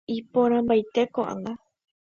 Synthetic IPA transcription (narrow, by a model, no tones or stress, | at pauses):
ipõɾ̃ãmbajt̪e̞koʔã̰ŋɡa